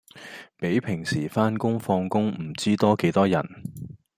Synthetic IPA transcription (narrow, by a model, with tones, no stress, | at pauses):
pe˨˥jpʰɪ˨˩ŋsiː˨˩faː˥nkʊ˥ŋfɔː˧ŋkʊ˥ŋm̩˨˩t͡siː˥t̪ɔː˥ke˨˥jt̪ɔː˥jɐ˨˩n